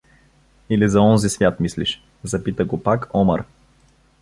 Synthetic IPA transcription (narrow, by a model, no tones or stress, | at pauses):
ilizɐɔnzisvʲjat̪misliʃ | zɐpit̪əɡopakɔmə̰ɾ